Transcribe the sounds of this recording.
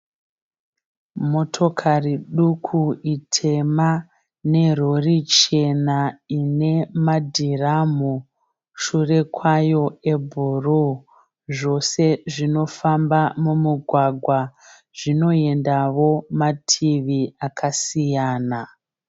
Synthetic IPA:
mo̞tʰo̞kʰariɗukʰuitʰe̞ma | ne̞ro̞rit͡ʃe̞naine̞madʱiramu | ʃure̞kwajo̞ebʱuru | ʐo̞se̞ʐino̞fambamumuɡʱwaɡʱwa | ʐino̞e̞ndaʋo̞matʰiʋiakʰasijaːna

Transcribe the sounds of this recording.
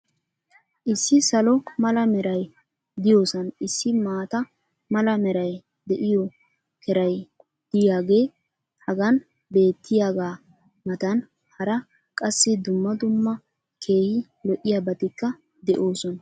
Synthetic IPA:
ʔɪsːɪsɐlɔmɐlɐmɛɾɐj | d̪ɪjo̞ːsɐnɪsːɪmaːt̪ɐ | mɐlɐmɛɾɐj | d̪ɛʔɪjɔ | kʰɛɾɐj | d̪̥ɪjaːɡe̞ː | hɐɡɐn | be̞ːt̪ʰːɪjaːɡaː | mɐt̪ɐn | hɐɾɐ | kʼɐsːɪd̪ʊmːɐd̪ʊmːɐ | kʰe̞ːhɪ | lɔʔːɪjabɐt̪ɪkːɐ | d̪ɛʔo̞ːsɔnɐ

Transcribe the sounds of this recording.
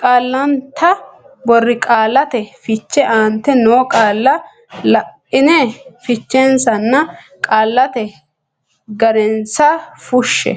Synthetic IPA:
kʼaːlːɐnt̪ʰɐbɔrːɪkʼaːlːɐt̪ɛfɪt͡ʃːɛʔaːnt̪ːɛnoːkʼaːlːɐ | lɐʔ | ɪnɛfɪt͡ʃːɛnsɐnːɐkʼaːlːɐt̪ɛ | ɡɐɾɛnsɐfʊʃːɛ̰

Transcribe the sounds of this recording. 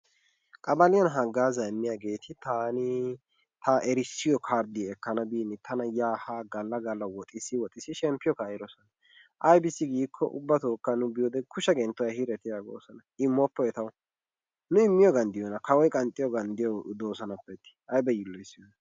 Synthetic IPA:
kʼɐbɐlɪjɔnɦɐɡaːzɐɛmːɪjaːɡe̞ːt̪ʰɪt̪aːnɪ | t̪ʰɐʔɛɾɪsːɪjɔkʰaːɾd̪ɪɛkːɐnɐbiːnɪt̪ʰɐnɐjaːhaɡɐlːɐɡɐlːɐwɔt̪ʼɪsɪwɔt̪ʼɪsɪʃɛmpːɪjɔkaːjɪɾɔsɔnɐ | ʔɐjbɪsːɪɡiːkʰːɔ̰ʔʊ̰bːɐt̪oːkːɐnʊbɪjɔd̪ɛkʰʊʃɐɡɛnt̪ːʊwjhɪɾɛt̪ɪjaɡo̰ːsɔnɐɪmːɔpːɔɛt̪ɐw | nʊɪmːɪjɔɡɐnd̪ɪjɔnɐkɐwɔjkʼɐnt̪ʼːɪjɔɡɐnd̪ɪjɔd̪oːsɐnɐpːɛt̪ːɪ̥ʔɐjbɛjɪlːɔɪsːɪjɔnɐ

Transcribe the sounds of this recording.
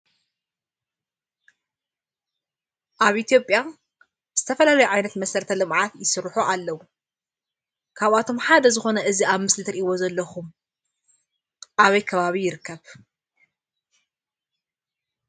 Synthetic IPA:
ʔaβʔit̪ʰijo̞pʼja | ɨz̥ɨt̪ʰɐfɐlalɐjuʕajnɐt̪mɐsɐɾt̪ʰɐlɨmʕat̪jɪsɨɾħuʔalːɐwu | kʰaβat̪ʰo̞mħad̪ɐzɨxo̞nɐʔɨziaβmɨslɨt̪ʰɨɾʔiwo̞zɐlːɐxum | ʔaβɐjkʰɐβaβijɪɾkʰːɐβ

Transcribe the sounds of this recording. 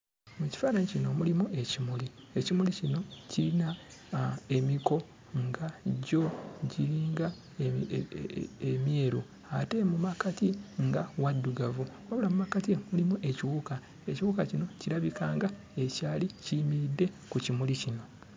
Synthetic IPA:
muci̥faɾaɲcino̞mulimue̞cimuli | ecimulicino̞cina | e̞miko̞ | ŋɡaɟo̞ɟiɾiːŋɡa | emjeːɾu | ate̞mumakatiŋɡawadːuɡavu | waβulamumakatimulimuʔe̞ciwuka | e̞ciwukacino̞ciɾaβikaːŋɡa | e̞caːlicimiɾidːe̞ | kucimulicino̞

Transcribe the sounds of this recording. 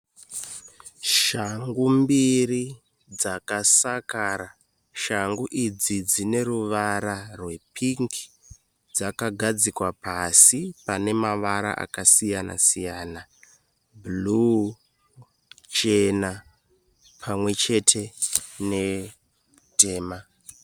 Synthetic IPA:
ʃaŋɡumbiri | d͡zakasakaːɾa | ʃaŋɡuʔid͡zid͡zine̞ɾuʋaɾarwe̞pʰiŋkʰi̥ | d͡zakaɡʱad͡zikwapasipane̞maʋaɾa̰ʔa̰kasijana̰sijaːna | bulu | t͡ʃe̞na | pʰamwe̞t͡ʃe̞tʰe̞ne̞ | te̞ːma

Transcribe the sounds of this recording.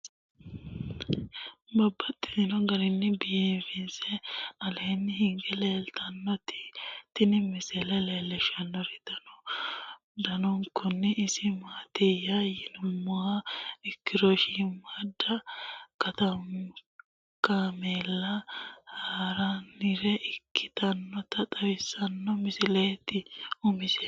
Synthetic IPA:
bɐbːɐt̪ʼːɪ̥d̪ɪnɔɡɐɾɪnːɪbɪjeːfɪnsɛɐleːnːɪɦɪŋɡɛleːlt̪ɐnːɔt̪ɪ̥t̪ɪnɪmɪsɛlɛleːlːɛʃɐnːɔɾɪt̪ɐnɔ | d̪ɐnɔŋkʊnːɪʔɪsɪmaːt̪ejajɪnʊmːɔwaɪkːɪɾɔʃimɐd̪ɐkɐt̪ɐm | kameːlːɐhaːɾanːɪɾɛʔɪkːɪt̪ɐnːɔt̪ɐt̪ʼɐwɪsːɐnːɔmɪsɪleːt̪ɪʊmɪsɛ̥

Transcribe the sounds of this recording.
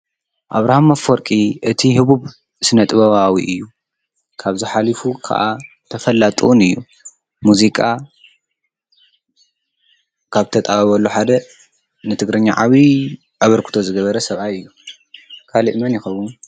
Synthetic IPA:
ʔaβɾahamafoɾkʼiʔɨt̪ʰihɨβuβ | sɨnɐt̪ʼɨβɐβawḭʔɨjːu | kʰaβzɨħalifukʰa̰ʔa | t̪ʰɐfɐlːat̪ʼuunɨjːu | muzikʼa | kʰaβt̪ʰɐt̪ʼaβɐβɐlːuħad̪ɐ | nɨt̪ʰɨɡɾɐɲːaʕaβi | ʔaβɐɾkʰu̥t̪ʰo̞zɨɡɐβɐɾɐsɐβʔajɨjːu | kʰaliʔmɐnjɪxɐwun

